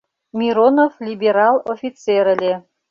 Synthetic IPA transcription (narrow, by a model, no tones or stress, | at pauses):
mʲiɾonoflʲibʲeɾɑlˠofʲit̪t͡seɾɘ̆lʲe